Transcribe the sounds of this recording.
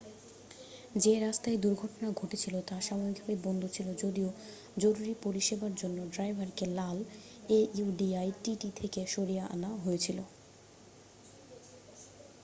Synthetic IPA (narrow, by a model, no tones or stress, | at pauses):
d͡ʑeɾast̪aed̪uɾɡʱɔʈonaɡʱoʈet͡ɕʰilot̪aʃabʱabiɡ̚bʱabebɔnd̪ʱot͡ɕʰilod͡ʑod̪io | d͡ʑoɾuɾipoɾiʃebaɾd͡ʑonːoɖɾajbʱaɾkelal | euɖiajʈiʈit̪ʰekeʃoɾijaʔa̰naɦoet͡ɕʰilo